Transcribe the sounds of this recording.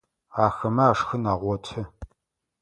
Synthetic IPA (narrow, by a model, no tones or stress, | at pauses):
aːxɐmɐaːʂxɨnaːʁʷɔtʰɐ